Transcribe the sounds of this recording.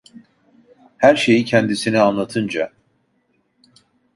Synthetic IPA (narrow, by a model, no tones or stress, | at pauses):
hæɾʃe̞jicʰɛnd̪isinianlˠat̪ʰɯnd͡ʒa